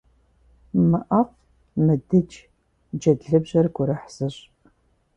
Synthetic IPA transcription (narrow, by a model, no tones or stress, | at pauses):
mɨʔɐf | mɨdɨt͡ʃ | d͡ʒɐdɮɨbʑɐrɡʷʊɾɐħsɨɕʼ